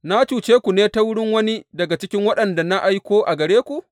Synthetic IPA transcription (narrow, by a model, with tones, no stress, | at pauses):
na˦t͡ʃuː˨t͡ʃeː˦kʷu˨neː˦ta˦wʊ˦ɽɪ˦ŋwɐ˦ni˦dɐ˨ɡa˨t͡ʃɪ˦kʲɪ˦ŋwɐ˦ɗɐ˨nda˨na˦ʔa˦jkʷoː˦ʔa˨ɡɐ˨ɽeː˦kʷu˨ʔ